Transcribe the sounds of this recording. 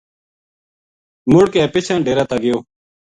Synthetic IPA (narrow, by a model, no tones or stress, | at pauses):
mʊɽkeːpɪt͡ʃʰãːnɖeːɾaːt̪aːɡɪjoː